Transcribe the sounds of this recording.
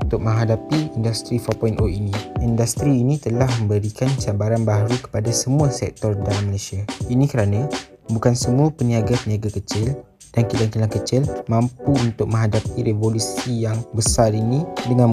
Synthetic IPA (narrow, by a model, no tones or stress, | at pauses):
unt̪ʊk̚mə̃ŋɦadapiindast̪ɾifɔpɔjnʔoinĩindast̪ɾiːnĩt̪əlahmə̃mbəɾikant͡ʃabaɾanbaɦaɾukə̥padasəmũasɛ̰k̚t̪ɔrdalamːəlasiainĩkəɾanã | bukansəmuapəniaɡapəniaɡakət͡ʃɪl | d̥ankilaŋkilaŋkət͡ʃɪlmãmpuunt̪ʊk̚mə̃ŋɦadapiɾevolusijaŋbəsarinĩdəŋã